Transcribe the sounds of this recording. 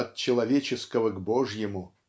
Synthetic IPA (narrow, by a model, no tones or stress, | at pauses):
ɐt̪̚t͡ɕːɪlˠɐvʲet͡ɕɪskəvəɡbo̞ʐjɪmʊ